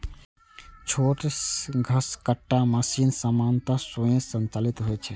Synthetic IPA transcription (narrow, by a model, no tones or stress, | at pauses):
t͡ʃʰoʈɡʱəskəʈːaməsinsəmant̪asojẽsənt͡ʃalit̪ɦojt͡ʃʰɛ